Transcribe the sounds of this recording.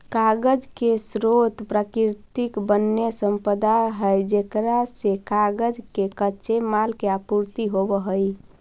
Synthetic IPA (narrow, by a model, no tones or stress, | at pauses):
kaɡəd͡ʒkesɾot̪pɾakiɾt̪ikbənːesəmpəd̪aɦəjd͡ʒekɾasekaɡəd͡ʒkekəʃemalkeapuɾt̪iɦobəɦəj